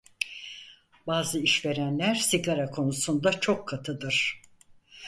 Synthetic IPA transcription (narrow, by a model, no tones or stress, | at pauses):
baːzɯiʃve̞ɾænlʲæɾsiɡaɾakʰo̞nusund̪at͡ʃʰo̞kʰːat̪ʰɯd̪ɯɾ̥